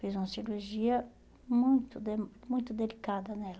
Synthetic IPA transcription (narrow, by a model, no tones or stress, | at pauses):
fizũmɐsiɾuɾʒiɐ | mũj̃t̪ʊd̪emmũj̃t̪ʊd̪elikad̪ɐnɛl